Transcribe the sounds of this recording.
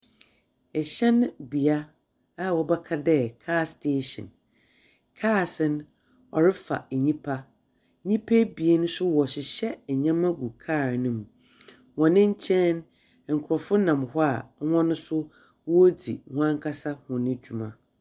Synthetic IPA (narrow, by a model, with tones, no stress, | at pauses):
ɛ˨ɕɛ̃˦ñ˦bi˨a˦ | a˦˨wɔ˨bɛ˦kʰa˦dɛ˦kʰaː˦˨stʰe˦ɕɪ̰̃˨n | kʰaː˦˨sɪ̃˨n | ɔ˨ɾɪ˦fa̰˨ɲĩ˦pʰa˦ | ɲĩ˦pʰe˦bi˨e˦nʊ̃˦sʊ˦wɔ˨ɕɪ˨ɕɛ˦ɛ˨ɲã˦mã˦ɡu˨kʰaː˦˨ɾnʊ̃˦m˨ | wɔ̃˨nɪ̃˦ɲ̩˦t͡ɕʰɛ̃˦n˨ | ŋ̩˨kʰʊ˨ɾɔ˨fʊ˦nã˨mhʊ˦a˨˦wɔ̃˦nʊ̃˦sʊ˦ | wo˦d͡zḭ˨hʷã˦ŋkʰa˦sa˦hʊ̃˨nɪ̃˦d͡ʑu˨mã̰˨